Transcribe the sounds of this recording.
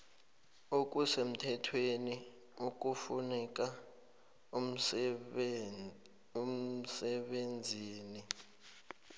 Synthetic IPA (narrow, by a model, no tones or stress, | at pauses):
uk̬ʼusem̩tʰɛtʰweni | uk̬ʼufunɛk̬ʼa | um̩sɛɓend͡zʱiːni